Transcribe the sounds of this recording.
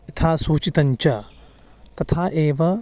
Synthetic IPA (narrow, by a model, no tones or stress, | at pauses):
it̪ʰaːsuːt͡ʃit̪ɐɲt͡ʃɐ | t̪ɐt̪ʰaːʔeːʋɐ